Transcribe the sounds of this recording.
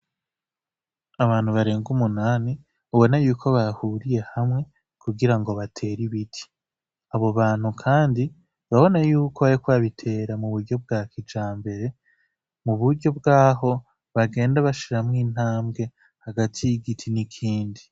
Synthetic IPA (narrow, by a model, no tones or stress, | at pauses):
aβaːn̥huβaɾe̞ːŋɡumunaːni | uβo̞najuːkʰo̞βahuːɾije̞hamŋe̞ | kuɡiɾaŋɡo̞βatʰe̞ːɾiβitʰi̥ | aβo̞βaːn̥hukʰaːndi | βaβo̞najuːkoβajikwβaβitʰe̞ːɾamuβuɾɟo̞b̚ɡaːkid͡ʒaːmbe̞ɾe̞ | muβuɾɟo̞bɡaːɦo̞ | βaɡe̞ːndaβaʃiɾamŋiːn̥haːmɡe̞ | haɡatʰijiɡitʰinikʰiːndi